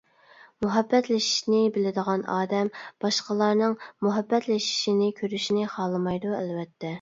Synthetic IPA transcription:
muɦɛbːɛt̪lɪʃi̥ʃnɪbɪlɪd̪əʁɑnɑːd̪ɛmb̥ɑʃqəlˠɑɾnɨŋmuɦɛbːɛt̪lɪʃi̥ʃinɪkʲʰøɾyʃinɪχɑːlˠɨmɑjd̪uælwɛt̪ʰːɛ

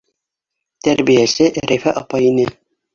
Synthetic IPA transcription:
t̪æɾbijæsɘʔɾʔæjfæʔɑpɑinɘ

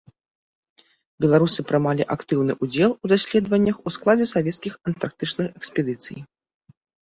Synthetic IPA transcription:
bʲɛlˠaɾusɨpɾɨmalʲiʔakt̪ɨwnɨʔud͡zʲɛlˠud̪asʲlʲɛd̪vɐnʲːɐxusklˠad͡zʲɛsavʲɛt̪skʲixɐnt̪ark̚t̪ɨt͡ʂnɨxɛkspʲɛd̪ɨt̪sɨ̰j

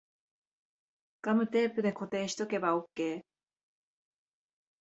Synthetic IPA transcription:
ɡ̥amɯ̟t̪e̞ːpɯ̟d̪e̞ko̞t̪e̞ːɕi̥t̪o̞ke̞baokːe̞ː

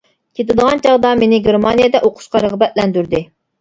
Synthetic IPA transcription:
kʲʰet̪ɪd̪əʁɑnt͡ʃʰɑʁd̪ɑmenɪɡʲeɾmɑnijɛd̪ɛʔoqʰʊ̥ʃqɑɾəʁbɛt̪̚lɛnd̪yɾd̪ɪ

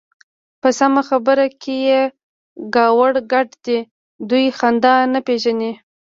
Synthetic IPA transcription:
pəsamaxabəɾakʰeje | ɡɑwaɽɡaʈd̪i | d̪ujxand̪ɑnapeʒane

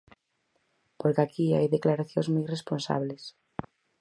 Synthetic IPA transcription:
poɾkeakiajðeklaɾaθjozmujresponsa̰βles

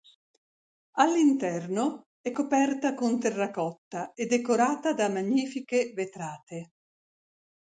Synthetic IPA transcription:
alːint̪ɛrno | ɛkːopɛrt̪akont̪erːakɔt̪ːaed̪ekoɾaːt̪ad̪amaɲːiːfikevet̪ɾaːt̪e

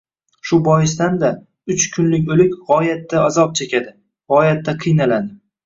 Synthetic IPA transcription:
ʃʊbɒjɪs̬t̪and̪a | ʊt͡ʃkʲʰʊnlɪkʲolɪkʲʁɒjat̪ːaazɒp̚t͡ʃʰekʲad̪ɪ | ʁɒjat̪ʰːaqʰɨjnalad̪ɪ

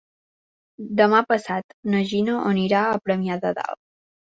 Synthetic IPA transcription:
d̪əmapəsat̪nəʒinəʔoniɾaəpɾəmiaðəða̰l

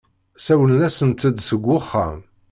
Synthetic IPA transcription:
sæwənnæsənt̪ːəd̪səɡʷːʊχːa̰m

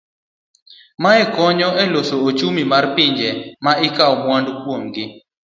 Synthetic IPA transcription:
maɛkɔɲɔʔɛlosoot͡ʃumimarpɪɲd͡ʒɛmaɪkaɔmwandkwomɡɪ

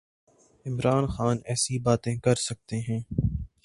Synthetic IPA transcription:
ɪmɾaːnxaːnɛːsibaːt̪ẽkɐɾsɐk̚t̪eɦɛ̃ː

